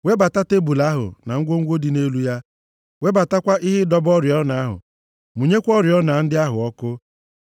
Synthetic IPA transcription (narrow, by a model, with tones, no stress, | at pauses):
we˦ba˨ta˦te˦bu˨la˦ɦʊ̰˨na˨ŋ̩˦ɡʷo˦ŋ̩˦ɡʷo˦di˨ne˦lu˦ja˦ | we˦ba˨ta˦kʷa˦ʔɪ˦ɦɪ˦dɔ˦bɔ˦ɾjɔ˦na˨a˦ɦʊ̰˨ | mu˨ɲe˦kʷɔ˦ɾjɔ˦na˨n̩˦dɪ˦a˦ɦʊ˨ɔ˦kʊ˦